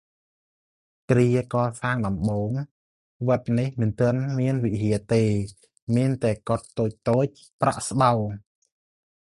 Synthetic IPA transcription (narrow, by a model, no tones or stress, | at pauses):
kriəkɑːsaːŋɗɑmɓoːŋ | ʋət̪̚nihmɨnt̪ɨ̆ənmiənʋiɦiət̪eː | miənt̪aɛkŏt̪ːoːc̚t̪oːc̚ | pra̰ʔsɓaw